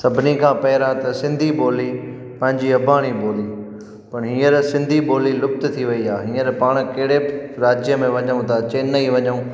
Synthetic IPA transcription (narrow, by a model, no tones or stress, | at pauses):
sɐbʱɪnikʰãːpɐɦɪɾãt̪ɐsɪ̃nd̪ʱiboːli | pɐ̃ɦɪ̃ɲd͡ʑiɐbʱaːɽ̃iboːli | pɐɽ̃ɦĩːəɾsɪ̃nd̪ʱiboːlilʊp̚t̪t̪ʰiʋɐiaːɦĩːəɾpaːɽ̃kɐɦɪɽeɾaːd͡ʑjəmẽʋɐɲəũt̪ʰat͡ɕeːnːɐiʋɐɲəũ